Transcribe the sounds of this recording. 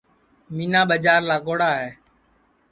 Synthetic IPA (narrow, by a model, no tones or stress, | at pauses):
miːnaːɓəd͡ʒaːɾlaːɡoːɽaːɦɛː